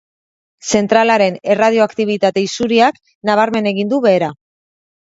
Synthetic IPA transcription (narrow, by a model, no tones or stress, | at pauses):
se̞nt̪ɾalaɾe̞ne̞rað̞io̞akt̪iβ̞it̪at̪e̞isuɾiak | naβ̞aɾme̞ne̞ɣind̪uβe̞ːɾa